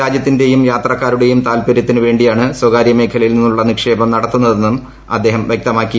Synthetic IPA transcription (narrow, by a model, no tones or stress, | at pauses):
aːd͡ʑjɐt̪ːinde̞jumjaːt̪rɐkːaːɾuɽe̞jumt̪aːlpɐɾjɐt̪ːinɨʋe̞ːɳɖijaːɳɨswɐɡaːɾjɐme̞ːkʰɐlɐjilninːuɭːɐnikʂe̞ːbɐmnɐɽɐt̪ːunːɐðe̞nːum | ɐ̰d̪ːe̞ːɦɐmʋjek̚t̪ɐmaːkːi